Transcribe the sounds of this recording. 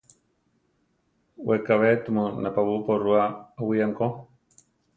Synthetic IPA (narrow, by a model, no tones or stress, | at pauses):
wekaβet̪umonapaβuporuaawiaŋko